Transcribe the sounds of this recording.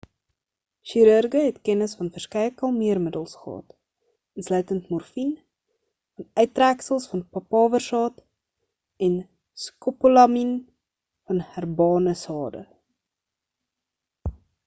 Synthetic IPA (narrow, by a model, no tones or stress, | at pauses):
ʃiɾərɡəɦɛtkɛnəsfɐnfərskɛjəkɐlˠmiərmədəlˠsχəɦɑ̰ːt | ənslœɥtəntmɔrfin | fɐnœɥtræksəlˠsfɐnpɐpɑːvərsɑːt | ɛn | skopolɑmin | fɐnhærbɑːnəsɑːdə̰